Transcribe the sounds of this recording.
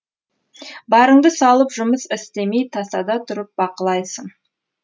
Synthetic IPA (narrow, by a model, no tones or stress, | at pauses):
bɑɾəɴd̪əsɑlˠəpʒʊməsɪst̪e̞me̞jt̪ʰɑsɑd̪ɑt̪ʰʊɾəp̚bɑqəlˠɑjsəɴ